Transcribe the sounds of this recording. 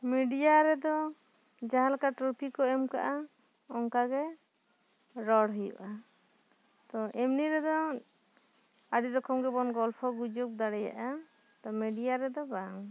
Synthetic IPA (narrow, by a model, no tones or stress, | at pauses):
miɖijaɾɛd̪ɔ | d͡ʒaɦalakaʈɾupʰikɔɛmka̰ʔa | ɔŋkaɡɛ | ɾɔɽɦujɔ̰ʔa | t̪ɔʔɛmniɾɛd̪ɔ | aɖiɾɔkɔmɡɛbɔnɡɔlpʰɔɡud͡ʒuk̚d̪aɽɛja̰ʔa | t̪ɔmiɖijaɾɛd̪ɔbaŋ